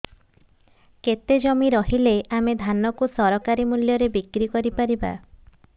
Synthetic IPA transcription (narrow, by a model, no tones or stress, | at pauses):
ket̪ed͡ʒɔmiɾɔɦileʔamed̪ʱanɔkusɔɾɔkaɾimuljɔɾebikɾikɔɾipaɾiba̰